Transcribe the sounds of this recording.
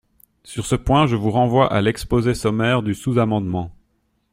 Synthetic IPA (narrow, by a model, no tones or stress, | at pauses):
syʁsəpwɛ̃ʒəvuʁɑ̃vwaʔa̰lɛkspozesɔmɛːʁd̪ysuzamɑ̃d̪mɑ̃